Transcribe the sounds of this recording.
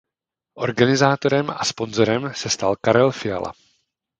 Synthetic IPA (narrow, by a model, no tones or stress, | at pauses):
ʔo̞̰ɾɡanɪzaːt̪o̞ɾɛmaspo̞nzo̞ɾɛmsɛst̪alkaɾɛlfɪja̰la̰